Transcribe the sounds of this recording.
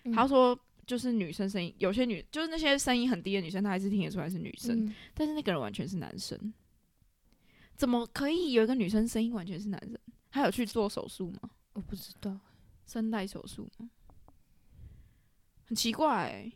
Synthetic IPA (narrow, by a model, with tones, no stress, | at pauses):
a˨˥jʊʂwɔ˥ | t͡ɕjo˥˧ʊʂ̬ɻ̩˥˩ny˨˩ʂə˥nʂ̬ə˥nḭ˦˥ŋjo˨ʊ˩ɕjɛ˥ny˨˩ə˦t͡ɕo˥ʊʂɻ̩˥na˥˩ɕjɛ˥ʂə˥ni˥ŋxə˨˩nt̪i˥˧˩ny˨˩ʂə˥nt̪ʰa˥˧˥ʂɻ̩˥t̪ʰi˥ŋjʈ͡ʂʰu˥a˧˥ɪʂɻ̩˥˩ny̰˨˩ʂə̰˦nt̪a˥nʂɻ̩˥˧na˥˩ɡə˩ə˦nwa̰˧˦nt͡ɕʰɥɛ˧˦nʂɻ̩˥˩na̰˧˥nʂə̰˥n | t͡sə˨˩nmə˦kʰɤ˧˥i˨˩jo˨˩ʊi˧˥ɡə˧ny˨˩ʂ̬ə˥n˩ʂə˥ni˥ŋwa˧˥nt͡ɕʰɥɛ˧˥nʂ̬ɻ̩˥˩na̰˧nʂə˥nxa˧ɪjo˨˩ʊt͡ɕʰy˥˧t͡swɔ˥˩ʂo̰˨˩ʊʂu˥˩mɐ̰˨˩ | wɔ˨˩pu˥˩ʈ͡ʂ̩˥t̪ɑ˥˩ʊ | ʂə˥nt̪a˥˧˩ɪʂo̰˨˩ʊʂṵ˥˩mɐ˨˩ | hə˨˩nt͡ɕʰi˧˥kwa˥˩ɪ